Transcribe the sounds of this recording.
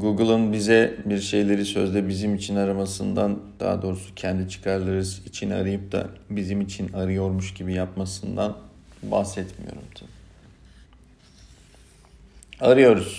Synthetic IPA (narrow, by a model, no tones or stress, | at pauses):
ɡuɡɯlˠɯnbizɛbiɾʃe̞jlʲe̞ɾisø̞̰zd̪ɛbizimit͡ʃʰinaɾamasɯnd̪and̪̥a̰ːd̪o̞ːɾusu̥cʰɛnd̪it͡ʃʰɯ̥kʰaɾlˠaɾɯzit͡ʃʰina̰ɾɯjɯp̚d̪ʰa̰bizimit͡ʃʰinaɾɯjo̞ɾmuʃɟibijapmasɯnd̪an | ba̰xsɛt̪mḭjo̞̰ɾumt̪ʰabi | aɾɯjo̞ɾuz̥